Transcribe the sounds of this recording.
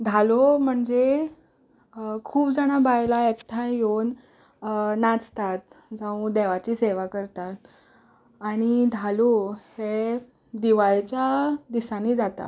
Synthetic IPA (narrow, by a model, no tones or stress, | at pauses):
d̪ʱalom̤əɳd͡ze | kʰuːbd͡zaɽ̃abajlaekʈʰãjonː | at͡st̪at̪̚d͡zaũd̪eʋat͡ɕiːseʋakəɾt̪at̪̚ | aɽ̃id̪ʱalohe | d̪iʋajt͡ɕjad̪isanid͡zat̪a̰